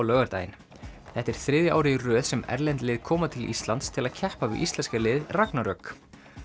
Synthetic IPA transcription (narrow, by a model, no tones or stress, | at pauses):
lœːɣaɾt̪a̰ːjɪ̰n | θɛht̪ːɛɾ̥θɾɪːðjʏaːwɾɪirœːðsɛmɛ̰ɾlɛnt̪lɪːðkʰɔːmat̪ʰɪlʔḭst̪lant̪st̪ʰɪlaðcʰɛhpavɪ̰ʔist̪lɛnskalɪːðraknaɾœk